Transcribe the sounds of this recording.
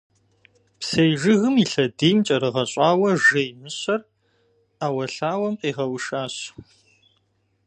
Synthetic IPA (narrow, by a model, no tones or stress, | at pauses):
psejʒɨɣɨmiɬɐdiːmt͡ʃʼɐɾɨʁɐɕʼɑːwɐʒejmɨɕɐr | aːwɐɬaːwɐmqʼiːʁɐwʂaːɕ